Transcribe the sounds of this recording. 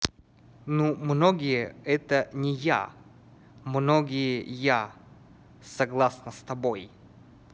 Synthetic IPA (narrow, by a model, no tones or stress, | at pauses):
numnoɡʲɪjəɛt̪ənʲɪja̰ | mnoɡʲɪjəja | sɐɡlˠasnəst̪ɐboj